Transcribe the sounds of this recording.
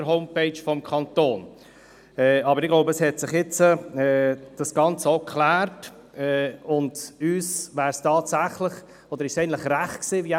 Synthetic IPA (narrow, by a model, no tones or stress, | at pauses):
əɾɦɔʊmpeɪt͡ʃfɔmkʰɑntoːn | ɛɑbəɾɪɡloʊbəɛshɛtsɪχjɪt͡səɛːd̥ɑsɡ̥ɑnt͡səokʰlæːɾt | ɛʊndyːsvæːɾstɑːtsæχlɪχ | ɔd̪əɾɪʃsɛɪən̩tlɪχræχtksiːvi